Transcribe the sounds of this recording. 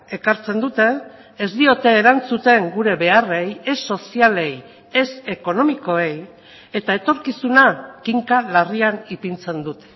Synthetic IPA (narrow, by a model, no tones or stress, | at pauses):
e̞kaɾt͡se̞nd̪ut̪e̞ː | zd̪io̞t̪e̞ːɾant͡sut̪e̞ŋɡuɾe̞βe̞are̞jesːo̞siale̞j | e̞se̞ko̞no̞miko̞e̞j | e̞t̪ae̞t̪o̞ɾkisunakiŋkalarianipint͡se̞nd̪ut̪e̥